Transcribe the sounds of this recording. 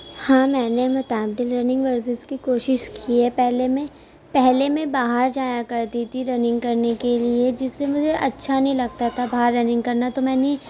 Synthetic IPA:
hãːmɛ̃ːnemɐt̪aːb̚d̪ɪlɾɐnɪ̃ŋɡʋəɾsɪzkikoːʃɪʃkʰiɛpɛɦlemẽ | pɛɦlemẽbaːɦəɾd͡ʒaːjakɐɾd̪it̪ʰiɾɐnɪ̃ŋɡkɐɾnekelied͡ʒɪsːemʊd͡ʒʱeʔɐtːʃʰanɐɦĩlɐɡ̚t̪at̪ʰabaɦəɾːɐnɪ̃ŋɡkɐɾnat̪omɛ̃ːne

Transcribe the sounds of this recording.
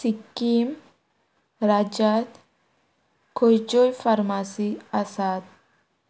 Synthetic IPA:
sɪkːiːm | ɾad͡ʒaːt̪ | kʰɔjd͡ʒɔjfɐɾmasiːɐsaːt̪̚

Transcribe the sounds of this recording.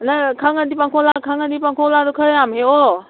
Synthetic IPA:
nakʰaŋadipaŋkʰɔlakʰaŋadipaŋkʰɔladɔkʰəɾjamheo

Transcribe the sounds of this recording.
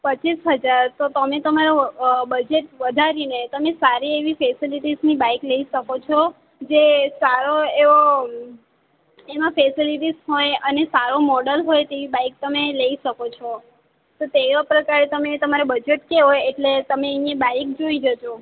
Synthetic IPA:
pət͡ʃisɦəd͡ʒaɾt̪ot̪əmet̪əmaɾobəd͡ʒeʈʋəd̪ʱaɾinet̪əmesaɾieʋifesiliʈiznibajkləiʃəkot͡ʃʰɔ | d͡ʒesaɾoeʋo | emãfesiliʈizɦojənesaɾomɔɽəlɦojt̪eʋibajk̚t̪əmeləiʃəkot͡ʃʰɔ | t̪ot̪eʋapɾəkaɾet̪əmet̪əmaɾebəd͡ʒeʈkeɦojeʈlet̪əmeəjãbaik̚d͡ʒoid͡ʒət͡ʃʰo

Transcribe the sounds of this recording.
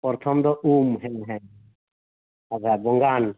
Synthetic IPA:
pɔɾt̪ʰɔmd̪ɔʔumɦɛnɦɛn | ad͡ʒʰʱabɔŋɡan

